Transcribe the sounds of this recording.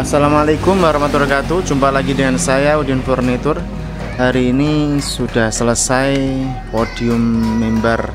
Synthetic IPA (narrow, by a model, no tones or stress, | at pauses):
ʔasalamalekʊmwaɾɔhmat̪̚bəɾakat̪u̥d͡ʒumpalaɡidəŋansajaudiʊnfʊrnet̪ʊr | haɾiːnisud̥ahsələsaj | pod̥iʊmːembər